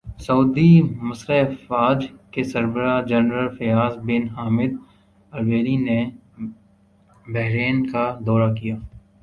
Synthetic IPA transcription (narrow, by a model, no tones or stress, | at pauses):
sɐuːd̪imɐsɾafaːd͡ʒkesɐɾbəɾad͡ʒɛnɾəlfejaːzbɪnɦaːmɪd̪̚ | ɐɾʋeːline | bɛɦɾeːnkad̪ɔːɾakijaː